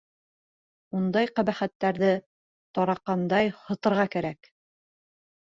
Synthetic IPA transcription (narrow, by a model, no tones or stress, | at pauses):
und̪ɑjqæβæχæt̪ːæɾðɘ | t̪ɒɾɑqːɑnd̪ɑjhŏt̪ɤ̆ɾʁɑkæɾæk